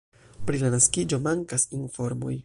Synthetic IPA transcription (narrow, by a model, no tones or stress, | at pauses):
pɾilanaskid͡ʒo̞maŋkasinfo̞ɾmo̰j